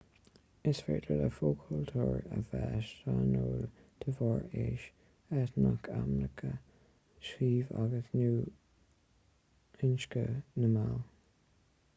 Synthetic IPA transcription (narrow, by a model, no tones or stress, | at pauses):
ɪsfɛɹd̪ələfoːkʰult̪ʰuːɹəvɛːʃanoːlt̪ʰəvɔɹeʃ | ɛtnakʰamləkʰə | ʃiːvaɡəsnuː | ɪnʃkənəmal